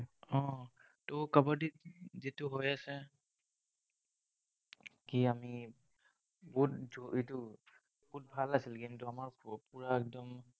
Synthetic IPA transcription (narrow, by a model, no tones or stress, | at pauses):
ɔ̃ | tokabaɹdizitʊɦojasɛ | kiami | bɔɦutzɔetʊ | bɔut̚bʱalasilɡimtʊamaɹkpuɹaɛk̚dɔm